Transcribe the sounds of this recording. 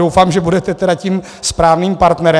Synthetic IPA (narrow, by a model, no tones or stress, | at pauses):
owfaːmʒɛbudɛt̪ɛt̪ɛdacim | spɾaːvniːmpaɾt̪nɛɾɛ